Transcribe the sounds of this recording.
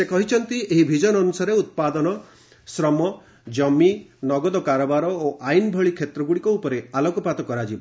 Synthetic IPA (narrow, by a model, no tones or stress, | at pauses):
sekɔɦit͡ʃʰɔnt̪ieɦibʱid͡ʒɔnɔnusaɾeut̪̚pad̪ɔnɔ | sɾɔmɔ | d͡ʒɔminɔɡɔd̪ɔkaɾɔbaɾɔoʔajnbʱɔɭikʰet̪ɾɔɡuɽikɔupɔɾealɔkɔpat̪ɔkɔɾad͡ʒibɔ